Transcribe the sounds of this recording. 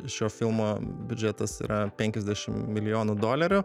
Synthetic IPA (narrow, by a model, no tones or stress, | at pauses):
ʃʲoːfʲɪlˠmoːbʲʊd͡ʒʲɛt̪ɐsḭːɾʔɐpʲɛŋʲkʲɛzʲd̪ʲæʃʲɪmmʲɪlʲɪjoːnud̪oːlʲɛɾʲʊ